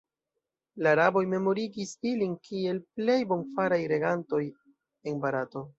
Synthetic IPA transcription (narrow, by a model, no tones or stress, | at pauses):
laɾabo̞jme̞mo̞ɾiɡisilinkʰie̞lple̞jbo̞nfaɾajɾe̞ɡanto̞j | e̞nbaɾato̞